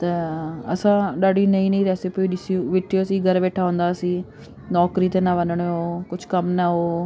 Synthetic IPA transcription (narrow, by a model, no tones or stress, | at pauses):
t̪eːəsãːɗaːɽiːnəĩːnəĩːɾɛːsepiːd͡ʒɪsũːʋɪʈʰːijoːsiːɡəɾʋɛːʈʰaːɦõːnd̪aːsĩː | nɔːkɾiːt̪eːnãːʋənəɳeoːkʊt͡ʃʰkəmnaːɦoː